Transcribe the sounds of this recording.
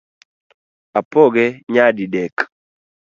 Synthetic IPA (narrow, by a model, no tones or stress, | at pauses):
apoɡɛɲadidɛk